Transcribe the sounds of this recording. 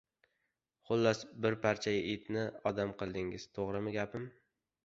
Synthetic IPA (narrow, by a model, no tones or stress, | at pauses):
χʊlˠːɒsbɪɾpʰaɾt͡ʃʰajaʔɪt̪nɪɒd̪amqʰɨlˠd̪ɪŋɪz̥t̪ʰoʁɾɪmɪɡʲapʰɪm